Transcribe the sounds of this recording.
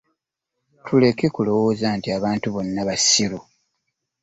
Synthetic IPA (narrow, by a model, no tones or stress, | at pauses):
tʰule̞ke̞kulo̞woːzaːntiaβaːntuβo̞nːaβasiɾu